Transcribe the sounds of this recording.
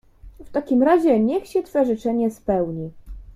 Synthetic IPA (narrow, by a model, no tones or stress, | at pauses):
ft̪akʲimɾaʑɛɲɛxɕɛt̪fɛʐɘt͡ʂɛɲɛspɛwɲi